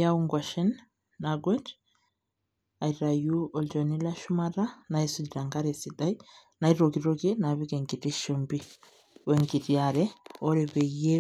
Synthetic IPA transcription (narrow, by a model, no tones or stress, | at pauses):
jauŋɡwaʃɛnː | aɡwɛnt | ajɾajuɔld͡ʒɔnilaʃumaɾanajsudidaŋɡaɾɛsidaj | najɾoɡiɾoɡinabikɛŋɡitiʃəmbi | wŋɡitiaɾɛɔɾɛbɛje